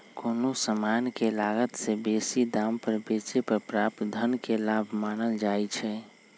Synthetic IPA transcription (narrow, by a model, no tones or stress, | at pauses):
koːnosəmankelaɡət̪sebesid̪ampəɾbesepəɾpɾap̚t̪d̪ʱənkelabʱmanəld͡ʒajt͡ʃʰɛ